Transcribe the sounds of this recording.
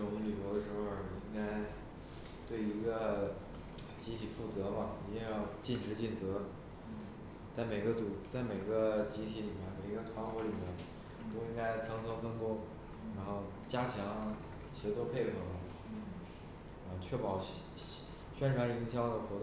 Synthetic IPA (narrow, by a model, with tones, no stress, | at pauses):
ʈ͡ʂʊ˨˧˩ŋly˨˩jo˧˥ʊd̪ə˧ʂɻ̩˧˥xo˥˧˩ʊi˥ŋka˥ɪ | t̪we˥˩ɪi˧˥ɡə˧ | t͡ɕi˧˥t̪ʰi˨˩fu˥˩t͡sɤ˧˥mɐ˨i˧˥ŋjɑ˥˧ʊt͡ɕi˥˩nʈ͡ʂɻ̩˧˥t͡ɕi˥˩nt͡sɤ˧˥ | t͡sa˥˩ɪme˨˩ɪɡə˦t͡su˨˩t͡sa˥˩ɪme˨˩ɪɡə˦˧t͡ɕi˧˥t̪ʰi˧˥li˨˩mjɛ˥˩npe˨˩ɪi˧˥ɡə˧t̪ʰwa˧˥nxwɔ˧˥li˨˩mjɛ˥˩n | t̪o˥ʊi˥ŋka˥ɪt͡sʰɤ˧˥ŋt͡sʰɤ˥ŋt͡sʰɤ˥ŋk̪ʊ˥ŋ | ɻa˧˥nxo˥˩ʊ | t͡ɕja˥t͡ɕʰjɑ˧˥ŋ | ɕjɛ˧˥t͡sʰwɔ˥˧pʰe˥˩ɪxʰɤ˨˩ | ɐ˥˧t͡ɕʰɥɛ˥˩pɑ˨˩ʊ | ɕɥɛ˥nʈ͡ʂʰwa˧˥ni˧˥ŋɕjɑ˥ʊd̪ə˩xwɔ˧˥t̪